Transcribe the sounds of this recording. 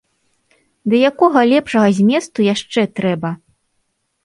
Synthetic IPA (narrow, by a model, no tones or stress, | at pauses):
d̪ɐjakɔɣɐlʲɛpʂɐɣɐzʲmʲɛst̪ujaʂt͡ʂɛt̪ɾɛbɐ